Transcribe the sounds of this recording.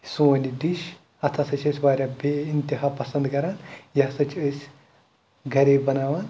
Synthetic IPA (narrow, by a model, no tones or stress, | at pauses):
sunid̪iʃ | ɐt̪ʰaːsɐt͡ʃʰəsʲbaːɾʲabʲeint̪iɦaːpɐsɐ̃nd̪kɐɾaːnjasɐt͡ʃʰəsʲ | ɡʱɐɾebɐnaːʋaːn